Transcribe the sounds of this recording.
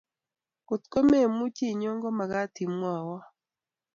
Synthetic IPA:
ku˨t̪ko˦me˦˨mu˦t͡ʃi˦˨ɲɔ˦ŋɡɔ˦ma˨ɡa˦t̪i˨mwa˨wɔ˦

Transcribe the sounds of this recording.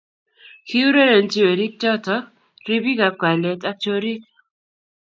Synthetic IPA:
kʰi˦u˦ɾe˦ɾe˨nt͡ʃi˦we˨ɾi˦k̚t͡ʃɔ˦tɔ˦ | ɾi˦bi˦ka˨p̚kwa˨lɛ˨tʼa˦t͡ʃo˦ɾi˦k̚

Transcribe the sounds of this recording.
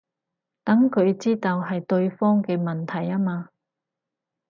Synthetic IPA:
t̪ɐ˨˥ŋkʰɵ˨˧ɥt͡siː˥t̪ɐ˧wɦɐ˨jt̪ɵ˧ɥfɔː˥ŋkɛ˧mɐ˨nt̪ʰɐ˨˩jaː˥maː˧

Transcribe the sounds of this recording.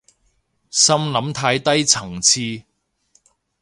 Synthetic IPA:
sɐ˥mlɐ˨˥mt̪ʰaː˧jt̪ɐ˥jt͡sʰɐ˨˩ŋt͡sʰiː˧

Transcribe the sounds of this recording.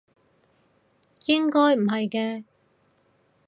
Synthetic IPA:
jɪ˥ŋkɔː˥jm̩˨˩ɦɐ˨jkɛː˧

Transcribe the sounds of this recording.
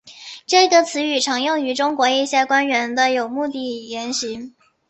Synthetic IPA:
ʈ͡ʂɤ˥˩ɡə˩t͡sʰɹ̩˧˥y˨˩ʈ͡ʂʰɤ˧˥ŋjʊ˥˩ŋy˧˥ʈ͡ʂʊ˥ŋkwɔ˧˥i˥˧ɕjɛ˥˩kwa˥nɥɛ˧˥nd̪ə˧jo˨˩ʊmu˥˧t̪i˥˩jɛ˧˥nɕi˧˥

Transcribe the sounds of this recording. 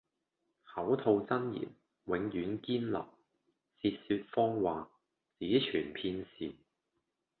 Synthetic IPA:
hɐ˨˥wt̪ʰo˧wt͡sɐ˥njḭ˨˩n | wɪ˨˧˥ŋjyː˨˥nkiː˥nlɐ̰˨˩p̚ | siː˧t̚syː˧t̚fɔː˥ŋwaː˨ | t͡siː˨˥t͡ʃʰyː˨˩npʰiː˧nsiː˨˩

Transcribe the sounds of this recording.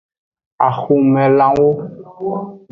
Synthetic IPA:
a˨xu˨mɛ̃˨lã˦wo˦

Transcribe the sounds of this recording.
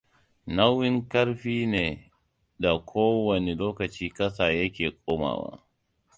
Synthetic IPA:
na˦wɪ˦ŋkɐ˦ɽɸiː˦neː˨ | da˨kʷʰoː˦wɐ˨ne˨loː˦kɐ˨t͡ʃiː˦kɐ˦sa˨jɐ˦kʲeː˨kʷʼoː˦ma̰ː˨wa̰ː˦

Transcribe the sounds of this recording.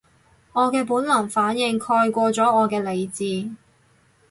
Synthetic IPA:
ŋɔː˨˧kɛː˧puː˨˥nlɐ˨˩ŋfaː˨˥njɪ˧ŋkʰɔː˧jkʷɔː˧t͡sɔː˨˥ɔː˨˧kɛː˧le˨˧jt͡siː˧

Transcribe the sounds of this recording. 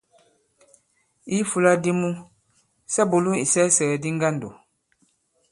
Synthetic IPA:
i˦fu˦˨la˦di˦mu˦ | sɛ˦bo˨lu˦i˨sɛ˦sɛ˨di˦ŋ̩˦ɡa˦n˨do̰˨

